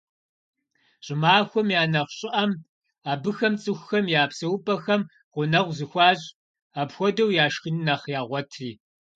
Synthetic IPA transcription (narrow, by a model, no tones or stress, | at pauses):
ɕʼɪmaːxʷɔmjaːnɐχʷɕʼɪʔɐm | aːbɨxɐmt͡sʼɨxʷxɐmjaːpsɐwʊpʼɐxɐm | ʁʷʊnɐʁʷzɨxʷɑːɕʼ | aːpxʷɔdɐwjaːʃqinnɐχjaːʁʷɔtʰriː